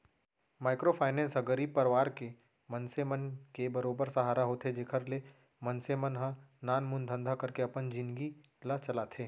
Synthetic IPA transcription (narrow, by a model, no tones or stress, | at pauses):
maːɪkɾopʰaːɪnẽsɦɐɡəɾiːpɐɾʋaːɾke | mənsemənkebɐɾoːbəɾsɐɦaːɾaɦoːt̪ʰed͡ʒeːkʰəɾle | mɐ̃nsemənɦãnaːnmʊ̃nd̪ʱə̃nd̪ʱakɐɾkeɐpənd͡ʒɪ̃nd̪ɡi | lat͡ʃɐlaːt̪ʰeː